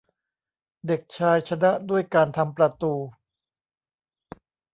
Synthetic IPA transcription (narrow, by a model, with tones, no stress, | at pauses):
de˨˩k̚t͡ɕʰaː˧jt͡ɕʰa˧na˦˥ʔdu˥˩əjkaː˧nt̪ʰa˧mpɾa˧t̪uː˧